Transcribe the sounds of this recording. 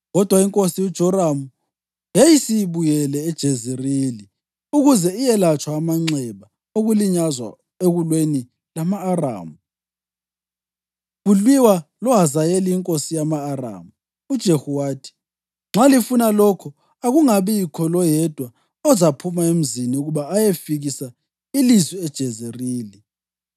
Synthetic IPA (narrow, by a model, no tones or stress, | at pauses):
ɣɔd̥ʱwaiŋkʼosijud̥ʒ̥ʱɔɾamu | jejisiβujɛlɛːd̥ʒ̥ʱezɛrili | uɣuzɛijɛlat͡ʃʼwaːmaŋ͡ǀɛβa | oɣuliɲazwa̰ | eɣulweni | lamaːra̰ːmu | ɣulwiwalɔɦazajeliiŋkʼosijamaːra̰ːmu | ud̥ʒ̥ʱehuwaːtʰi̥ | ŋ͡ǁʱalifunalɔkʰɔ | aɣuŋaβikʰɔlɔjɛd̥ʱwa | ɔzapʰumaem̩ziniuɣuβaːjefiɣisa | ilizwiɛd̥ʒ̥ʱɛzeriːli